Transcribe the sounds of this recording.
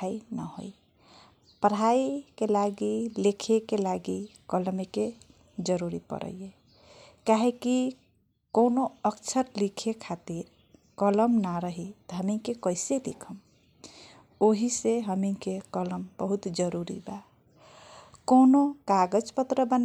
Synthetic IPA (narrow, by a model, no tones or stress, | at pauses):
ainə̰ɦo̰i | pəɾaikelaɡilekʰekelaɡikəlmike | d͡ʒəɾuɾipə̰ɾʔə̰jje | kaɦeki | konoəkt͡ʃʰəɾlikʰekʰat̪iɾ | kələmnaɾəɦit̪ɔɦəmikekəiselḭkʰəm | oɦiseɦəmikekələmbəɦut̪d͡ʒəɾuɾḭba | konokaɡəd͡ʒpət̪ɾəbən